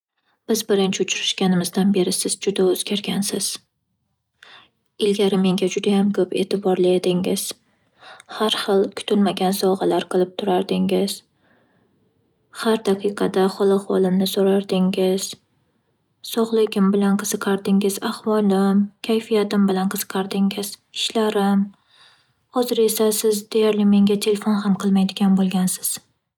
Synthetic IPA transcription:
b̥ɪzbɪɾɪnt͡ʃʰɪʊt͡ʃʰɾɪʃkʲanɪmɪzd̪anbe̞ɾɪsɪz̥d͡ʒʊd̪aɵzɡʲaɾɡʲansɪz̥ | ɪlɡʲaɾɪme̞ŋɡʲad͡ʒʊd̪ajamkʰɵpe̞̰t̪ʰɪbɒɾlˠajad̪ɪŋɪz̥ | haɾχɨlˠkʰʊ̥t̪ʰɪlmaɡʲansɒʁɑlaɾqʰɨlˠɪp̚t̪ʰʊɾaɾd̪ɪŋɪz̥ | haɾd̪aqʰɨjqʰɑd̪aχɒlˠaχwɒlˠɪmnɪsoɾaɾd̪ɪŋɪz̥ | sɒʁlˠɪɡʲɪmbɪlanqʰɨz̥ɨqʰɑɾd̪ɪŋɪz̥ahwɒlˠɪmkʲʰajfijat̪ɪmbɪlanqʰɨz̥ɨ̥qʰɑɾd̪ɪŋɪz̥ɪ̥ʃlaɾɪm | hɒzɪɾe̞sasɪzd̪e̞jaɾlɪme̞ŋʲat̪ʰe̞lefonɦamqʰɨlˠmajd̪ɪɡʲanbolˠɡʲansɪ̥z̥

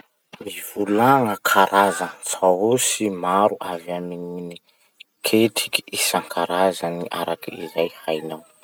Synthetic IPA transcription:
mivulaŋəkʰaɾʔazət͡saosimaɾuʔaviaminini | kʰetʰi̥ki̥isaŋkʰaɾazaniʔa̰ɾakiizajhajnaw

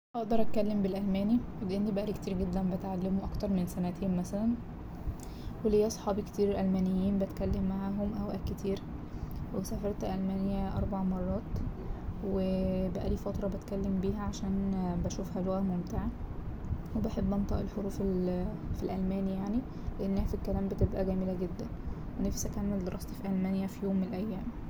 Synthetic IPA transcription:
ʔɑʔd̪ɑɾˤʔæt̪̚kælːembelʔælmæːni | lʔenːibæʔæliːkt̪iːɾɡed̪ːænbet̪ʕalːemoʔɑkt̪ɑɾˤmensænæt̪hemmæsælæn | welhejːæɑsˤħɑːbikt̪iːɾelʔælmæːnejːiːnbæt̪kælːemːaʕæɦomʔæwʔækːet̪ʰiːɾ | wesæfɑɾˤt̪ælʔælmæːnejæʔɑ̰ɾˤbaʕmɑrˤːɑːt̪ | webæʔæ̰liːfɑt̪ɾˤɑbet̪kælːembiːɦæʕaʃæːnbæʃuːfhæloɣæmomt̪eʕa | webeħebːʔɑnt̪ˤɑ̰ːʔelħoɾuːfelfilʔælmæːnijaʕni | leʔenːhæfilkælæːmbet̪ebʔæɡæːmelæɡed̪ːæn | wenæfsækæːnmæd̪ɾˤɑst̪ifiʔælmæːnjæfijoːmːenelʔæjːæːm

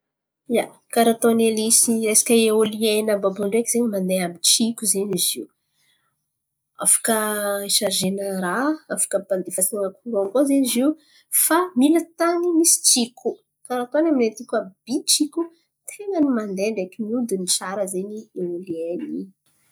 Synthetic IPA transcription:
ja | kaɾat̪onelisiɾesḁkʲəeolienəbabuɳɖ͡ʐekizeɲimand̪eamit͡ʃikʲuzeniziu | a̰fḁkəiʃaʒenəɾaafḁkəband̪efaseŋəkuɾoŋkozeniziw | familat̪aŋimisi̥t͡ʃikʲu | kaɾat̪oanaminet̪ikʲab̥it͡ʃikʲu | t̪ʰeŋənimand̪eɳɖ͡ʐekimiud̪unit͡saɾəzenieolieni

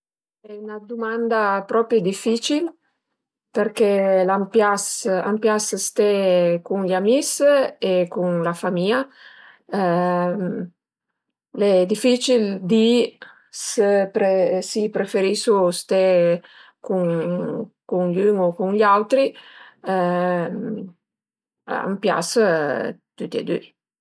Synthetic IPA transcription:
ɛunad̪umand̪apɾɔpid̪ifit͡ʃil | peɾkelampjasa̰mpjasst̪ɛkuŋʎamisekuŋlafamia | lɛd̪ifit͡ʃild̪i | səpɾesipɾefeɾisust̪e | kuŋ | kuŋʎyŋokuŋʎawt̪ɾi | a̰mpja̰s | t̪yt̪ḛd̪y̰

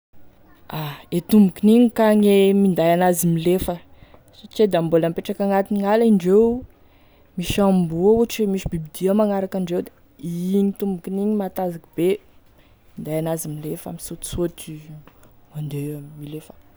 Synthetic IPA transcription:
aet̪umbukiniɲikaɲemind̪ajanazimilefə | sot͡ʃed̪ambolampeʈ͡ʂakaŋat̪iniŋalaiɳɖ͡ʐew | miʃambuauʈ͡ʂmiʃibibid̪iəmaŋaɾakaɳɖ͡ʐewd̪e̥ | ɲit̪umbukiniɲimat̪azakib̥e | mind̪ajanazimilefa̰misot̪i̥sot̪i | mand̪emilefə̥

